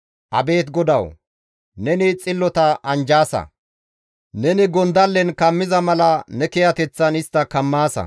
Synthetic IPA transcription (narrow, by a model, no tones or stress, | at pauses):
ʔɐbe̞ːt̪ɡɔd̪ɐw | nɛnɪt͡sʼɪlːɔt̪ɐʔɐnd͡ʒaːsɐ̰ | nɛnɪɡɔnd̪ɐlːɛnkɐmːɪzɐmɐlɐnɛkɛjɐt̪ɛt͡sːɐnɪst̪ːɐkɐmːaːsɐ̰